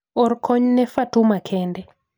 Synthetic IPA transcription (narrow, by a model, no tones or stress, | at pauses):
ɔɾkʰɔɲnɛfatumakʰɛndɛ